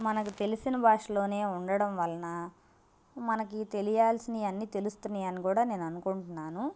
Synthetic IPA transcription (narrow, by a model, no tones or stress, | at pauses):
mɐnɐkut̪e̞lisinɐbaːʂɐlo̞ːne̞ːuɳɖɐɽɐmʋɐlɐnɐ | mɐnɐkit̪e̞lijaːlsiniɐnːiːt̪e̞lust̪unːiːɐnikuːɽaːne̞ːnuɐnukuɳʈunːaːnu